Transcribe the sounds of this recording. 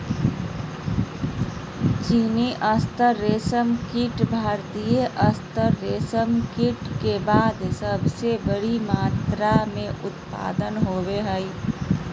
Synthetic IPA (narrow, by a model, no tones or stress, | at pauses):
t͡ʃiniʔəst̪əɾːeːsəmkiʈbʱaːɾt̪ijeʔəst̪əɾːeːsəmkiʈkebaːd̪səbsebəɽimaːt̪ɾamẽʔʊt̪pa̰ːd̪ənɦoːbeɦəj